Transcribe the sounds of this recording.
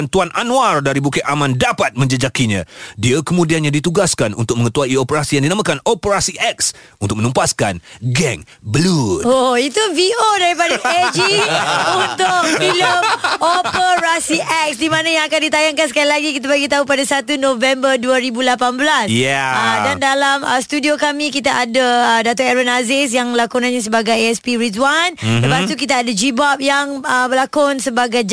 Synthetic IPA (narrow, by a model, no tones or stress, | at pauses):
nt̪uanʔanũardaɾibukɪʔʔamãndapat̪̚mə̃ɲd͡ʒəd͡ʒakiɲã̰diəkəmũdianjãdit̪uɡaskanṵnt̪ʊk̚mə̃ŋət̪uaiopəɾasijaŋdinãmãkanopəɾasiʔɛk̚s | unt̪ʊk̚mə̃numpaskanɡɛŋ | bəludoit̪uviodaɾipadaaed͡ʒiunt̪ʊk̚biloopəɾasiʔɛk̚sdimãnajãŋakandit̪ajaŋkans̬əkalilaɡikit̪̬abaɡit̪aɦupadasat̪unõvɛmbəduaɾibulapanbəlasjɛədandalaməst̪udiokamĩkit̪aʔadaːdat̪ɔɛɾanazɪs̬jaŋblakunãnɲãs̬əbaɡajɛspiɾitwanləpast̪ukit̪aːdad͡ʒibap̚jaŋəbəlakʊnsəbaɡajd͡ʒ